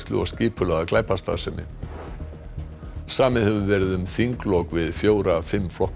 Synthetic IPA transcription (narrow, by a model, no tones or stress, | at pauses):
klʏ̰ɔ̰ɣscɪːpʏlɛɣaklaːjpast̪a̰ːðsɛmɪ̰ | saːmɪðhɛvʏvɛɾɪðʏmθiŋklɔkvɪðfjoːwɾafɪmːflɔh